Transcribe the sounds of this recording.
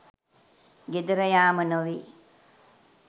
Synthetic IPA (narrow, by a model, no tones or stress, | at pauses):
ɡed̪uɾəjaːmənoʋiː